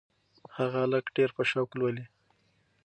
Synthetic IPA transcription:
haɣaaləkɖeɾpəʃawklwəli

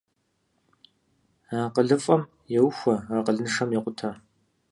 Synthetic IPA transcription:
aːqəɮɨfʼɐm | jɛwxʷɐraːqəɮnɨʂɐmjɛqʷʊtʰaː

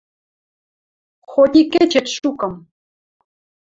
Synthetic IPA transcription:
xod̪ʲiket͡ɕĕt̪ʃukɤ̆m

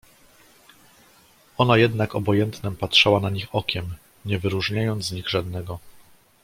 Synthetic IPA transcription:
ɔnajɛd̪nakɔbɔjɛnt̪nɛmpatʂawanaɲixɔkʲɛm | ɲɛvɘɾuʐɲajɔnd̪zzɲiɣʐad̪nɛɡɔ

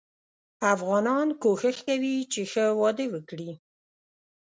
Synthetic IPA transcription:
afɣɑnɑnkoxəxkawit͡ʃexəwɑd̪əwəkɽi

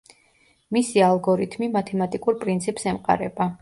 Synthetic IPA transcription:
misialˠɡɔɾit̪ʰmimat̪ʰɛmat̪ʼikʼuɾpʼɾint̪sʰipʼsɛmqʼa̰ɾɛba

